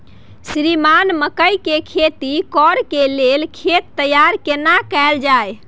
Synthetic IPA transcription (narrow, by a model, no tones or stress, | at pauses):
sɾimanməkəjkekʰet̪ikɔɾkelelkʰet̪ːəjaɾkenakɛld͡ʒaj